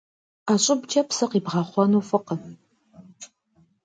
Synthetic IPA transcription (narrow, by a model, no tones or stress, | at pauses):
aːɕʼɪbd͡ʒʰʼɐpsɨqiːbʁɑːχʷɔnuːfɨqə